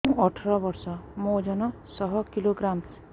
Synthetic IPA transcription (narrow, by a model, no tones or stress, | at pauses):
ɔʈʰɔɾɔbɔɾsɔmod͡ʒɔnɔ | sɔɦɔkiloɡɾam